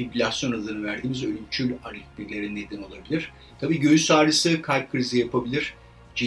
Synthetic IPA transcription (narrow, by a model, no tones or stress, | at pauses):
iplʲasjo̞nad̪ɯnɯvæɾd̪iːmizølʲymt͡ʃʰylʲaɾlʲicbiɾlʲe̞ɾinːe̞d̪ino̞lˠabilʲiɾ̥ | t̪ʰabiːɟø̞jysaːɾɯsɯkʰalʲb̚kʰɯɾizijapʰabilʲiɾ̥ | d͡ʒi